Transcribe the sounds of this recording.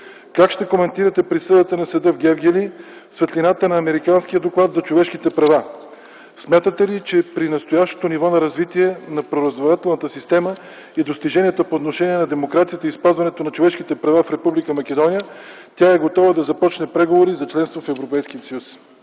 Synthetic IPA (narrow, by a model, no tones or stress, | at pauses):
kakʃt̪ɛkomɛnt̪iɾət̪ɛpɾisɤd̪ət̪ənɐsəd̪əvɡʲɛvɡʲɛlisvɛt̪linat̪ənɐːmɛɾikansk̟ijəd̪oklˠat̪zɐt͡ʃovɛʃk̟it̪ɛpɾɐva | smʲjat̪ət̪ɛlit͡ʃɛpɾinɐst̪ojaʃt̪o̥t̪onivɔnɐɾɐzvit̪iɛnɐpɾoɾɐzvoɾat̪ɛlˠnət̪əsist̪ɛmə | id̪ost̪iʒɛnʲiɛt̪əpoːt̪noʃɛniɛnɐd̪ɛmokɾat̪sijət̪əispazvɐnɛt̪onɐt͡ʃovɛʃk̟it̪ɛpɾɐvafɾɛpublikəmɐk̟ɛd̪ɔnʲijə | t̪ʲjaɛɡot̪ɔvəd̪ɐzɐpɔt͡ʃnɛpɾɛɡovoɾizɐt͡ʃlɛnst̪vofɛvɾopɛjskiət̪sɐjus